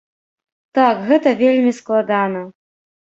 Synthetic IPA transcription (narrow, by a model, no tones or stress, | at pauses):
t̪akɣɛt̪ɐvʲelʲmʲisklˠad̪anɐ